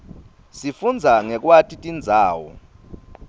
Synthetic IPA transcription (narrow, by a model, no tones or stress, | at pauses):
sifund͡zʱaŋɛk̬ʼwatʼitʼind͡zʱaːwɔ̰